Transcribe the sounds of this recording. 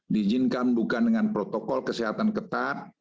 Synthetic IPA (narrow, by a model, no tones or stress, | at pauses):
did͡ʒinkambukandəŋanpɾot̪okɔlkəsiɦat̪ankət̪at̪̚